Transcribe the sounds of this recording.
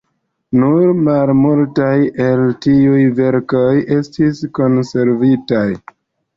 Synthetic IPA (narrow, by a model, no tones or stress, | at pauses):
nuɾmalmultaje̞ltiujve̞ɾko̞jʔe̞stisko̞nse̞ɾvitaj